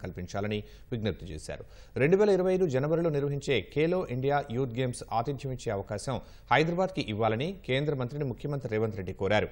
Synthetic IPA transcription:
kɐlpiɲt͡ʃaːlɐni | ʋiɡnɐp̚t̪ut͡ʃeːsa̰ːɾu | ɾe̞ɳɖuʋɛːlɐiɾɐʋɐjɐjd̪ud͡ʒɐnɐʋɐɾilo̞ːniɾʋɐɦiɲt͡ʃe̞ːkeːlo̞ːʔiɳɖijaːjuːt̪̚ɡe̞ːmsaːt̪id̪ʰʱjɐmiɲt͡ʃːeːɐʋɐkaːʃɐm | hɐjd̪ɾɐbaːd̪kiʔiʋːaːlɐnike̞ːnd̪ɾɐmɐnt̪ɾinimukʰjɐmɐnt̪ɾiɾɛːʋɐnt̪ɾe̞ɖːikoːɾaːɾu

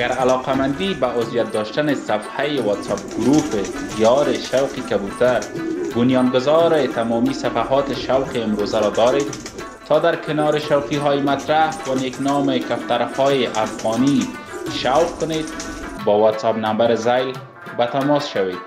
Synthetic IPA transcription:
aɡaɾalɔqamand̪ibaʔʊzjat̪̚d̪ɔʃt̪anɪsafhajɪwɔt̪sap̚ɡʊɾufɪhijɒɾɪʃawqikabut̪aɾbʊnjɑnɡʊzɑɾɪt̪amɔmisafaɦɔt̪ɪʃawqɪɪmɾozaɾɔd̪ɔɾed̪ | t̪ʰːɒd̪aɾkʰɪnɔɾɪʃawqiɦɔjɪmat̪ɾahwaneknɔmɪkaft̪aɾhɔjɪʔafɣɔni | ʃawqkʊned̪̚ | bɔwɔt̪sapnambaɾɪzajl | bat̪amɔsʃawed̪̚

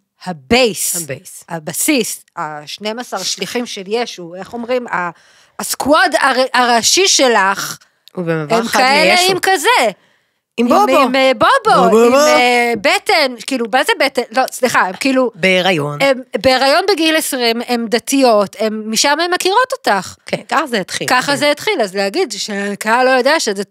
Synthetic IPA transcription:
habejsbshabasis | aʃnemasaʁʃliχimʃeljeʃue̞χo̞mʁima | skuodaʁʔaʁaʃiʃelaχ | ubeavhemkaeleimkaze | imoimboboebetenkiːlubazebetenlo̞sliχaemkiːlubeːʁajonembeːʁajo̞nbeɡilesʁime̞md̪atijo̞te̞mːiʃamemːakiʁo̞to̞taχkenkaχazeat̪χḭkaχazeet̪χilazleaɡidʃekaalojo̞deaʃeze

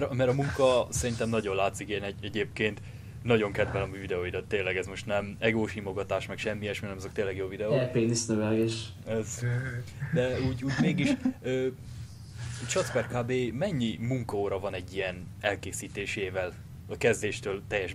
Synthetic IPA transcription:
mɛɾmɛɾɒmuŋkɒsɛɾint̪ɛmnɒɟo̞nlaːt̪sikeːnɛɟɛɟeːpkeːnt̪ | nɒɟo̞ŋkɛd̪vɛlɒmyvid̪ɛoid̪ɛt̪ːeːlːɛɡɛzmo̞ʃt̪nɛmɛɡoːʃimo̞ɡɒt̪aːʃmɛkʃɛmːijɛʃminɛmɒzo̞kt̪eːlɛɡjoːvid̪ɛoɛpeːnisnøvɛlɡeːʃ | ɛz | d̪ɛuːɟuːɟmeːɡiʃøː | t͡ʃɒt̪spɛrkaːbeːmɛɲːimuŋkɒoɾɒvɒnɛɟːijɛn | ɛlkeːsiːt̪eːʃeːvɛl | ɒkɛzd̪eːʃt̪øːlt̪ɛjːɛʃ

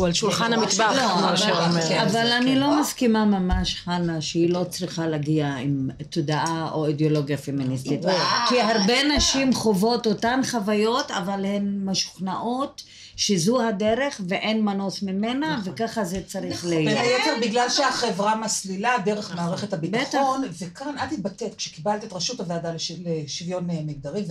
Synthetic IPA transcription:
ualʃulχanamit̪baloaʃeomavalanilo̞maskimamamaʃχanaʃehilo̞t͡sʁiχalaɡiaimt̪odaʔaʔoideolo̞ɡjafeminist̪it̪kiɦaʁbe̞naʃimχo̞vo̞totanχavajo̞ta̰valhenmaʃu̥χnaʔo̞t̪ | ʃezuhadeʁe̞χveʔenmano̞smime̞navekaχazet͡saʁiχlejot̪eʁbiɡlalʃeaχevʁamasliladeʁeχmaːʁeχethabitbaχtonvekanadtit̚batetkʃekibalt̪ietʁaʃutaveadaleʃleʃivjonmiɡ̚d̪aʁimv

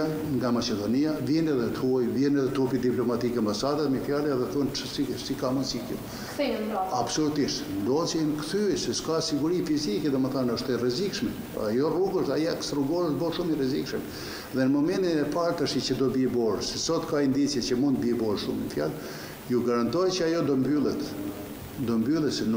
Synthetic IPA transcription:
a | ŋɡamat͡ʃɛd̪ɔniavjɛnɛðɛt̪ʰujvjɛnɛðɛt̪upid̪iplɔmat̪ikambasad̪at̪məfjalɛɛðɛθɔnt͡ʃəsisikamusikɛ̰ | absɔlut̪iʃt̪nd̪ɔt͡siɛnkθyɛsɛskasiɡuɾifizikɛðɛməθanəʃt̪ɛrɛzikʃmɛ | ajɔruɡuʃajɛkst̪ɾuɡɔɾət̪bɔɾʃumərɛzikʃəm | ðɛnəmɔmɛnt̪inɛpaɾt̪əʃit͡ʃəd̪ɔbibɔɾsɛsɔt̪kaind̪it͡sjɛt͡ɕəmund̪t̪̚bibɔɾʃumɲəfja̰l | juɡaɾant̪ɔjt͡ʃəajɔd̪ɔmbylˠɛt̪ | d̪ɔmbylˠɛt̪sɛn

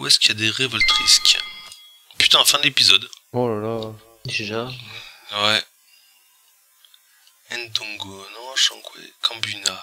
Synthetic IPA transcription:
uɛskijad̪eʁevɔlt̪χiskʲ | py̥t̪ɛ̃fɛ̃d̪əlepizɔd̪ɔlala | deʒa | wɛ | ɛ̃nd̪ũɡonɔ̃ʃɑ̰̃kwḛkʰɑ̃byna

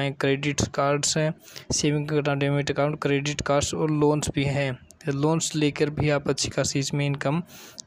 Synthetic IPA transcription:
ẽkɾeːɖɪʈkaːɾɖsɦɛ̃ːseːʋɪ̃ŋɡkɐʈãːɖeːmɪʈəkãːʊ̃ɳʈ̚kɾeːɖɪʈkaːɾɖsɔːɾloːnsbʱiɦɛ̃ː | loːnsleːkəɾbʱiaːpɐtːʃʰi̥kasiːsmẽɪnkəm

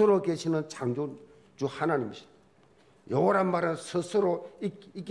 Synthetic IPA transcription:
ɯɾokeɕʰinɯnt͡ɕaŋd͡ʑon | d͡ʑuhanaɲimɕʰi | jʌwʌɾɦanmaɾɯnsʰɯsʰɯɾoiik̬

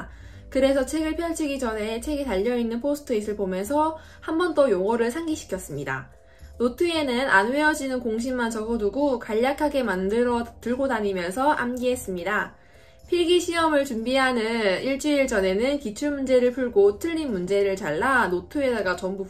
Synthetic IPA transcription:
kɯɾe̞sʰʌt͡ɕʰe̞ɡɯɭpʰjʌɭt͡ɕʰiɡid͡ʑʌnɦe̞t͡ɕʰe̞ɡetaʎːʌinːɯnpʰosʰɯ̥tʰɯis͈ʰɯɭpomjʌnsʰʌ | hambʌnt͈ʌjoŋʌɾɯɭsʰaŋɡiɕʰi̥kʰjʌs͈ɯmɲida̰ | notʰɯe̞nɯnʔa̰nweʌd͡ʑinɯnkoŋɕ̬ʰimːant͡ɕʌɡʌduɡokaʎːakʰaɡe̞mandɯɾʌtɯɭɡodaɲimjʌnsʰʌʔa̰mɡiɦe̞s͈ɯmɲida | pʰiɭɡiɕʰiʌmɯɭt͡ɕumbiɦanɯniɭt͡ɕ͈iiɭt͡ɕʌne̞nɯnkit͡ɕʰuɭmund͡ʑe̞ɾɯɭpʰuɭɡotʰɯɭːinmund͡ʑe̞ɾɯɭt͡ɕaɭːanotʰɯe̞daɡat͡ɕʌmbu

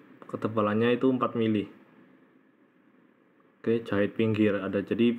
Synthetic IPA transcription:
kət̪əpalaɲait̪uəmpat̪̚milɪh | ket͡ʃaɪt̪̚piŋɡɪradad͡ʒadi

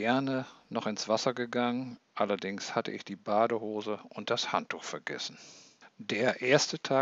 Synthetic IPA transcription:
ɛɐnənɔχɪnsv̥asɐɡəɡaŋənʔalɐdɪŋshatə̰ʔɪ̰çd̥iːbaːdəhoːzəʊnt̚d̥ashantʰːuːxfɛɐɡɛ̰sn̩d̥eːɐʔeːɐstətʰaː

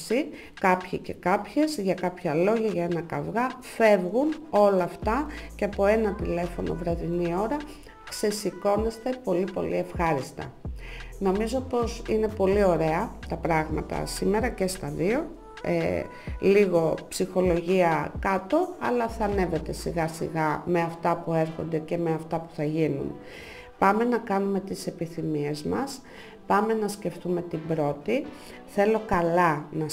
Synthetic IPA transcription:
si | kɐpçice̞kɐpçe̞zʝɐkɐpçɐlo̞ʝɐʝɐe̞nɐkɐvɣɐ | fe̞vɣuno̞lɐft̪ɐceɐpo̞e̞nɐt̪ile̞fo̞no̞̰vɾɐðinio̞ɾɐ | kse̞siko̞ne̞st̪e̞po̞lipo̞̰lʔḭe̞fxɐɾist̪ɐ̰no̞mizo̞po̞sine̞po̞lio̞ɾe̞ɐt̪ɐpɾɐɣmɐ̰t̪ɐ̰sime̞ɾɐce̞st̪ɐðio̞ | ḛ | liɣo̞psixo̞lo̞ʝiɐkɐt̪o̞ɐ̰lɐθɐne̞ve̞t̪e̞siɣɐsḭɣɐme̞ɐft̪ɐpue̞ɾxo̞nd̪e̞ce̞me̞ɐft̪ɐpu̥θɐʝinṵn | pɐme̞nɐkɐnume̞t̪ise̞piθimie̞zmɐs | pɐme̞nɐsce̞ft̪ume̞t̪ibɾo̞t̪i | θe̞lo̞kɐlɐnɐ

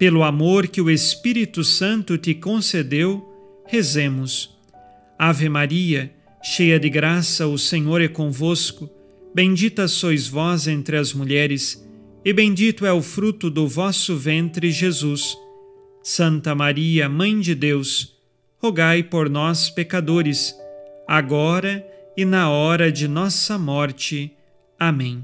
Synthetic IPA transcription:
pelʊamoɾkɪʊespiɾit̪ʊsɐ̃nt̪ʊt̪ɪkõsed̪ew | hezẽmʊs | avɪmaɾiɐ | ʃejɐd̪ɪɡɾasɐʊsẽɲoɾɛkõvoskʊ | bẽd͡ʒit̪ɐsojzvɔzẽnt̪ɾɪɐzmuʎɛɾɪs | ɪbẽd͡ʒit̪ʊɛʊfɾut̪ʊd̪ʊvɔsʊvẽnt̪ɾɪʒezusː | ɐ̃nt̪ɐmaɾiɐmɐ̃j̃d͡ʒɪd̪ews | hoɡajpoɾnɔspekad̪oɾɪsaɡɔɾɐɪnɐɔɾɐd͡ʒɪnɔsɐmɔɾt͡ʃɪ | amẽj̃

